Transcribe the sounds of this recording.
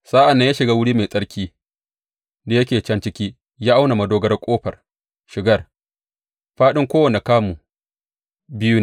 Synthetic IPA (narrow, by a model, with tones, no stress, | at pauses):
saː˦ʔa˨nːa˦jaː˦ʃɪ˨ɡaː˦wʊ˦ɽiː˦me˨sʼɐ˦ɽkʲiː˦ | da˨jɐ˦kʲeː˨t͡ʃɐ˦nt͡ʃɪ˦kʲiː˦ | jaː˦ʔa˦wna˨ma˨doː˦ɡɐ˦rkʷʼoː˦ɸɐ˨r | ʃɪ˨ɡɐ˦r | ɸaː˦ɗɪ˦ŋkʷoː˦wɐ˨ne˨kaː˦mu˨ | bɪ˦ju˦n˨